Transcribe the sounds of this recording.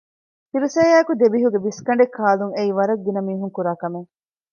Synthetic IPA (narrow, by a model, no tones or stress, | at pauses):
t̪iɾuseːjæːkud̪ebiɦuɡebiskɐɳ̆ɖekʰaːluŋeiʋɐɾɐɡ̚d̪inɐmiːɦuŋkuɾaːkɐme